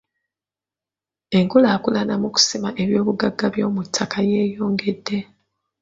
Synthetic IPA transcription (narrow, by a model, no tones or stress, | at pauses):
e̞ŋkulaːkulanamuku̥simaʔe̞βjo̞ːβuɡaɡːaβjo̞ːmutʰːakaje̞ːjo̞ːŋɡe̞dːe̞